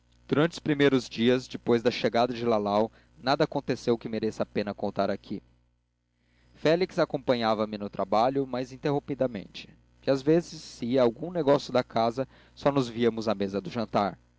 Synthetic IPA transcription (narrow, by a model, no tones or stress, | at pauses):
d̪̥uɾɐ̃nt͡ʃɪʊ̥spɾimejɾʊzd͡ʒiɐzd͡ʒɪpojzd̪ɐʃeɡad̪ɐd͡ʒɪlalaw | nad̪ɐakõnt̪esewkɪmeɾesapẽnɐkõnt̪aɾakʰi | fɛliksakõpɐ̃ɲavɐmɪnʊt̪ɾʔabaʎʊmɐzĩnt̪eɦõmpid̪ɐmḛ̃nt͡ʃɪ̥ | iazvezɪsːɪawɡũneɡɔsjʊd̪ɐkazɐ | sɔnʊzviɐmʊzɐmezɐd̪ʊʒɐ̃nt̪aɾ